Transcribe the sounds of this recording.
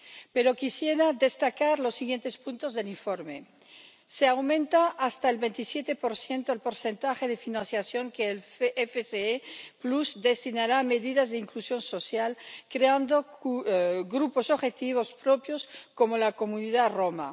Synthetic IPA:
peɾo̞kisjeɾaðest̪akaɾlo̞sːiɣje̞nt̪e̞spunt̪ozðe̞liɱfoɾme | seawmẽnt̪aʔast̪aelβent̪isjet̪epo̞ɾθje̞nt̪oelpo̞ɾsent̪axeðefinãnθjasjo̞ŋkeːlefeseepluzd̪e̞st̪inaɾameðiðazðeiŋklusjo̞nso̞sjalkɾeand̪o | ɡɾupo̞soxet̪iβ̞o̞spɾopjo̞sko̞molako̞muniðaroma̰

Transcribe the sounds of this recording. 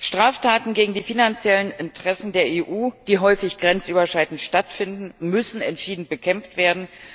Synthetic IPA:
ʃtʁ̥aːftʰaːtn̩ɡeːɡŋ̩diːfinant͡sjɛlənɪntʁ̥ɛsn̩deːɐeːʔuːd̥iːɦɔʏfɪçɡ̥ʁɛnt͡sʔyːbɐʃaɪtn̩tʃtatfɪndn̩mʏsn̩ɛntʃiːdn̩t̚b̥əkʰɛmftv̥eːɐdn̩

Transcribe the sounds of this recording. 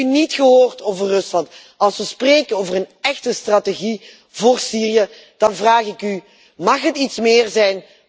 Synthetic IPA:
ynitxəɦoːrtoːvərːɵslɑnt | ɑlˠsʋəspreːkənoːvərənɛxtəstrateɣi | voːrsiːrijə | d̥ɑnvraːχɪky | mɑχɦətitsmɪːrzɛjn

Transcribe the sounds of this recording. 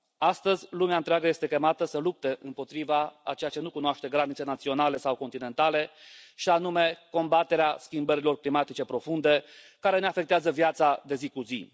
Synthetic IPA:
ast̪əzʲlumeaɨnt̪ɾeaɡəjest̪e̞kʲe̞mat̪əsəlup̚t̪e̞ʔɨ̰mpo̞t̪ɾivaa̰t͡ʃe̞jat͡ʃe̞nukunoaʃt̪e̞ɡɾanit̪se̞nat̪sio̞nale̞sawko̞nt̪ine̞nt̪ale̞ʃianume̞ko̞mbat̪e̞ɾeaskʲimbəɾilo̞rklimat̪it͡ʃe̞pɾo̞fund̪e̞ | kaɾe̞ne̞afe̞k̚t̪eazəvjat̪sad̪e̞zikuzḭ

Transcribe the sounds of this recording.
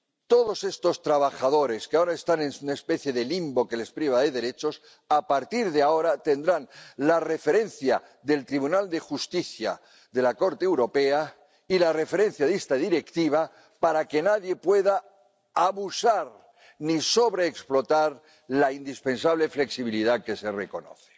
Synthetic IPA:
t̪o̞ðo̞se̞st̪o̞st̪ɾaβaxaðo̞ɾe̞skeao̞ɾaest̪anensunaespe̞θje̞ðe̞limbo̞ke̞le̞spɾiβaðe̞ðe̞ɾe̞t͡ʃo̞s | apaɾt̪iɾðeao̞ɾat̪e̞nd̪ɾanlare̞fe̞ɾe̞n̟θja | ðe̞lt̪ɾiβ̞unald̪e̞xust̪iθja̰ | ðe̞lako̞ɾt̪eːwɾo̞pe̞a | ilare̞fe̞ɾe̞n̟θjaðest̪aðiɾe̞kt̪iβ̞a | paɾake̞naðje̞pwe̞ðaː | βusaɾ | niso̞βɾe̞ːksplo̞t̪aɾ | laind̪ispe̞nsaβ̞lefle̞ksiβ̞iliðake̞se̞reko̞no̰θe̥

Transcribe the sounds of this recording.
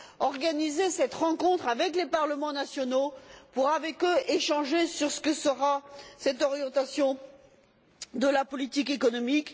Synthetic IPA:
ɔʁɡanizesɛt̪ʁɑ̃kɔ̃t̪χavɛklepaʁləmɑ̃nasjɔnopuʁavɛkøʔeʃɑ̃ʒesyʁsə̥kəsəʁasɛt̪ɔʁjɑ̃t̪asjɔ̃ | d̪əlapɔlit̪ikekɔnɔmik

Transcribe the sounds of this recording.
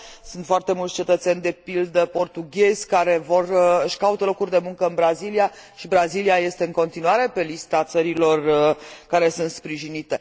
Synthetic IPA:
sunt̪foart̪e̞mult̪sʲt͡ʃe̞t̪ət̪senʲd̪e̞pild̪əpo̞rt̪uɡʲe̞zʲkaɾe̞vo̞rɨʃʲkaut̪əlo̞kurʲd̪e̞muŋkəɨnbɾaziliaʃibɾaziliaje̞st̪e̞ɨŋko̞nt̪inuaɾe̞pe̞list̪at̪səɾilo̞rkaɾe̞sunt̪spɾiʒinit̪e̞

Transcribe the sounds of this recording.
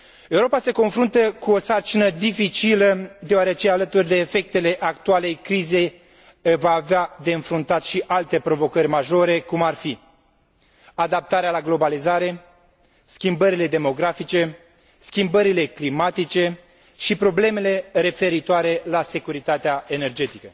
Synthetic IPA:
e̞uɾo̞pase̞ko̞nfɾunt̪əkuo̞sart͡ʃinəd̪ifit͡ʃiləd̪eoaɾe̞t͡ʃe̞alət̪urʲd̪e̞ːfe̞k̚t̪e̞le̞ʔakt̪uale̞jkɾize̞j | vaːvead̪e̞ɨnfɾunt̪at̪ʃiʔalt̪e̞pɾo̞vo̞kəɾʲmaʒo̞ɾe̞kumarfi | ad̪ap̚t̪aɾealaɡlo̞balizaɾe̞ | skʲimbəɾile̞d̪e̞mo̞ɡɾafit͡ʃe̞ | skʲimbəɾile̞klimat̪it͡ʃe̞ | ʃipɾo̞ble̞me̞le̞ɾe̞fe̞ɾit̪oaɾe̞lase̞kuɾit̪at̪eae̞ne̞rd͡ʒe̞t̪ikə

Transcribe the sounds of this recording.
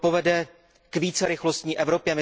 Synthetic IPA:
povɛdɛ | kviːt͡sɛɾɪxlost̪ɲiːʔɛvɾo̞pjɛmɪ

